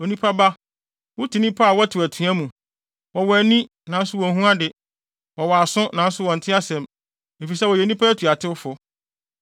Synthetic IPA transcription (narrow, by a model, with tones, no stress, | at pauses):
o˨nĩ˦pʰa˦ba˦ | wʊ˦tʰi˨nĩ˦pʰa˦˨wɔ˦tʰʊ˨æ˨tʰũ˨˦æ̃˦mũ˨ | wɔ˨wɔ˨æ˨nĩ˦ | nã˨n̩˦sʊ˦wɔ˨ɦũ˦a˦dɪ˨ | wɔ˨wɔ˨a˨sʊ̃˦nã˨n̩˦sʊ˦wɔ̃˨n̩˨tʰɪ˦a˦sɛ̃˨m | e˨fi˨sɛ˦wɔ˨jɛ˨˦nĩ˦pʰa˦æ˦tʰu˨a˨tʰɪ˦wfʊ˨